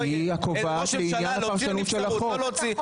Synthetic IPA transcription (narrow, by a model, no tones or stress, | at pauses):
iakovaʃleinjanafaʁʃanut̪ʃelaχo